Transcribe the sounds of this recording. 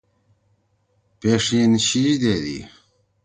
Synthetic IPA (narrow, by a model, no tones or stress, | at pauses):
peʂinɕiʑd̪eːd̪ḭ